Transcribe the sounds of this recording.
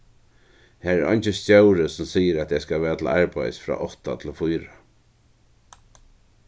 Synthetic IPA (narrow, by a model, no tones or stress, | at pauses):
hæːɾɛɾʔɔ̰ɲnt͡ʃɪscœwɾəsʊmsiːjəɾɛæt̪ɛskaʋɛːat̪ʰɪlʔaɹpajsfɾa̰ːʔɔht̪at̪ʰɪlfʊjɾa